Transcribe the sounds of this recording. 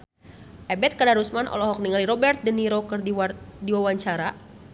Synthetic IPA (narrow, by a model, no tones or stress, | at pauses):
ʔɛbɛt̪̚kadaɾusmanʔɔ̰lɔɦɔk̚niŋaliɾɔbɛrt̪̚dəniɾɔkərdidiwawaɲt͡ʃaɾa